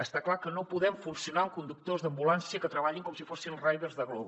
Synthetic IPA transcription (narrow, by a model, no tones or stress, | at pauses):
əst̪aklakənopuðɛmfunsiunaŋkund̪uk̚t̪ozðəmbulansiəkət̪ɾəβaʎiŋkɔmsifosinrajβerzðəɣlɔβu